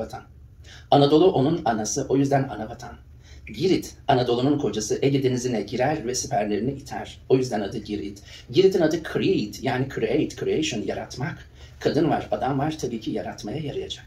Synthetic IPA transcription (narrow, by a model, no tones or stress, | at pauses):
at̪ʰan | anad̪o̞lˠuʔo̞nunanasɯʔo̞jyzd̪ænanabat̪ʰan | ɟiɾit̪anad̪o̞lˠununkʰo̞d͡ʒasɯʔɛɟed̪enizinɛɟiɾæɾvɛsypʰæɾlʲe̞ɾiniit̪ʰæ̰ɾ̥o̞jyzd̪ænad̪ɯɟiɾḭt̪ | ɟiɾit̪ʰinad̪ɯkʰɾejt̪jaːnikʰɾiejt̪kʰɾiejʃonjaɾat̪mak | kʰad̪ɯnvaɾad̪amvaɾ̥t̪ʰabiːcʰijaɾat̪majajaɾɯjad͡ʒak̚